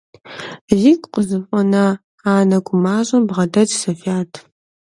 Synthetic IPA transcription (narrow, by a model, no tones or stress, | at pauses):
zikʷʼqʷʼəzɨfʷʼɔnɐ | aːnɐɡʷʼʊmaːʑʼɐmbʁɐdɐtsɐfaːtʰ